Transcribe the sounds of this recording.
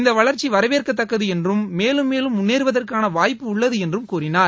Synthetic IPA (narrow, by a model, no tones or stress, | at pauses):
ɪnd̪ɐʋɐɭɐɾt͡ʃiʋɐɾɐʋeːrkɐt̪ːɐkːɐðɯɛndrɯmːeːlɯmːeːlɯmʊnːeːɾɯʋɐðɐrkaːnɐʋaːjpːɯʊɭːɐðɯɛndrɯmkuːrɪnaː